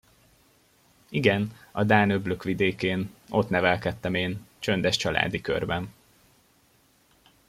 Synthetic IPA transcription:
iɡɛnɒd̪aːnøbløkʋid̪eːkeːno̞t̪nɛvɛlkɛt̪ːɛmeːnt͡ʃø̞nd̪ɛʃt͡ʃɒlʔa̰ːd̪ikø̰rbɛn

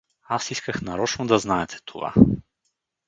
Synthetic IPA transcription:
asiskaxnaɾɔt͡ʃnɔd̪aznaɛt̪ʰɛ̥t̪ʰɔva̰

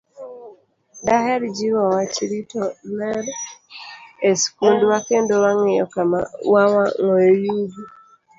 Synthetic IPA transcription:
daɦɛɾd͡ʒiwawat͡ʃɾitomɛɾ | eskundwakendowaŋɛjɔ̰kamawawaŋojojuɡi

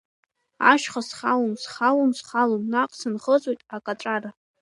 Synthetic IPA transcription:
a̰ʃχasχawumsχawumsχalomnaqʼsɨnχət͡sʼojtʼakʼaʈ͡ʂʷʼara

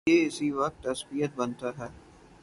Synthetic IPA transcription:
eɪsiʋɐk̚t̪ːɐsbijət̪̚bɐnt̪aɦɛː

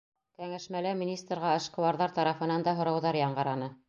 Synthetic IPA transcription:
kæŋæʃmælæmʲinʲist̪rʁɑɤ̆ʃqɤ̆wɑɾðɑɾt̪ɑɾɑfɤ̆nɑnd̪ɑɦŏɾɑwðɑɾjɑɴɢɑ̆ɾɑnɤ

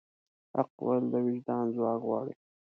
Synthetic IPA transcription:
ha̰qwald̪əwɪd͡ʒd̪ɑːnzwɑːkɣwɑ̰ːɽi

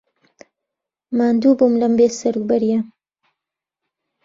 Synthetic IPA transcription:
maːnd̪uːbumlɐmbeːsɐɾuk̚bɐɾijɐ

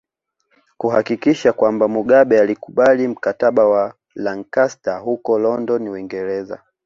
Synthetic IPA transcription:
kuhakikiʃakwambamuɠaɓɛalikuɓalim̩kataɓawa | laŋkastahukɔlɔndɔniwiŋɡɛɾɛza̰

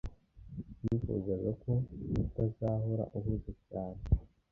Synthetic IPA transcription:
jifṵzazako̞utazaɦoɾa̰ʔuβuzacaːne

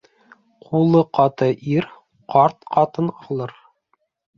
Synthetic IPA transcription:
qʰulˠɤqɑt̪ɤʔiɾ | qɑɾt̪qɑt̪ɤnɑlˠɤɾ

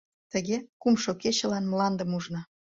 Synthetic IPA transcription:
t̪ə̆ɣekumʃoket͡ɕə̆lɑnmlɑnd̪ə̆muʒnɑ

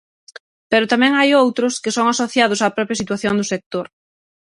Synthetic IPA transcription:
pɛɾʊt̪amɛ̃ŋajowt̪ɾʊskɪsoŋasoθjaðʊsaːpɾɔpɾjasit̪waθjond̪ʊsek̚t̪oɾ

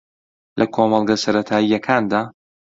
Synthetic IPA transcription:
lʔɐkʰoːmɐlˠɡɐsɐɾɐt̪ʰaːijːɐkʰaːnd̪aː

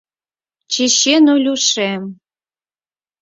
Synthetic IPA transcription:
t͡ɕeɕenulʲuʃem

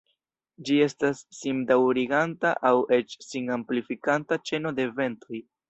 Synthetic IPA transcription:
d͡ʒie̞stasːimdawɾiɡantaʔawe̞t͡ʃsiŋamplifikantat͡ʃe̞no̞de̞ve̞nto̞j

